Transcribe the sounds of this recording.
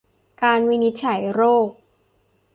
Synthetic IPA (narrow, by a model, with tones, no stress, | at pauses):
kaː˧nwi˦˥ni˦˥t̪̚t͡ɕʰa˩˦jɾoː˥˩k̚